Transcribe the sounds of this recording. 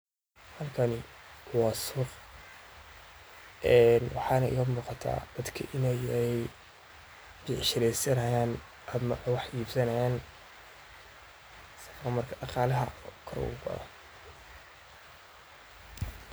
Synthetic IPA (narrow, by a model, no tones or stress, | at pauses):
hɐlkʰɐnɪwɑːsʊq | ʔɛːnwɑħɑːnɐʔɪ̰ɣɐmuːqɑt̪ʰa̰ːd̪̥ɐd̪kʰɐ̰ʔɪnɛjɛj | bɪʕʃɪɾɛsɐnɐjaːn | ɐmɐʔwɑħjiːbsɐnɐjaːn | sɐfɾɐmɐrkʰɐʔɐqɑːlɐɦɐ̰kʰɐɾɔ̰ɣʊɡɐ̰ðɐ̰